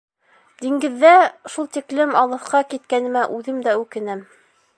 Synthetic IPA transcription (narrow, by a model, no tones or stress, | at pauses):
d̪iŋɡɘ̆ðːæʃulˠt̪iklɘmɑlˠɤ̆θqɑkit̪̚kænɘ̆mæʔʉðɘmd̪æʉkɘ̆næm